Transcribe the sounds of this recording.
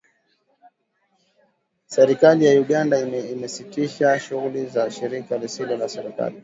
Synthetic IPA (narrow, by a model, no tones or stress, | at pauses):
sɛɾikalijauɠandaiimɛsitiʃaʃuɣulizaʃiɾikalisilɔlasɛɾika̰li